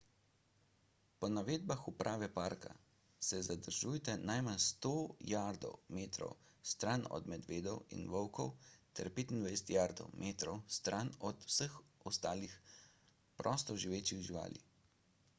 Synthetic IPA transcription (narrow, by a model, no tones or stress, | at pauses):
pɔnaʋeːd̪baxupɾʔaːʋɛpaːɾka̰ | sɛzad̪əɾʒujt̪ɛnajmanst̪oːjaːɾd̪ɔ̰wmeːt̪ɾɔ̰wst̪ɾanɔ̰d̪mɛd̪ʋeːd̪ɔwḭnʋɔwkɔwt̪ʰɛ̰ɾpeːt̪ind̪ʋajsɛ̥t̪jaːɾd̪ɔwmʔeːt̪ɾɔwst̪ɾʔanɔt̪wsəxɔst̪aːlix | pɾʔɔst̪ɔʒiʋeːt͡ʃixʒiʋa̰ːlḭ